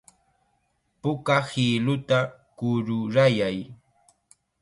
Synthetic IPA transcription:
pʊkahilʊt̪akʊɾʊɾajaj

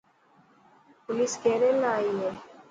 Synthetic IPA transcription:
pʊliskeːɾeːlaaːiːɦɛː

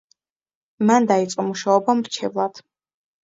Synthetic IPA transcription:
mand̪ait̪sʼqʼɔmuʃaɔbamɾt͡ʃʰɛvlˠad̪̥

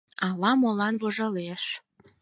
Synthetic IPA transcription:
ɑlɑmolɑnβoʒɑleʃ

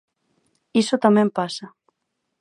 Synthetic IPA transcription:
isʊt̪amɛ̃mpasa

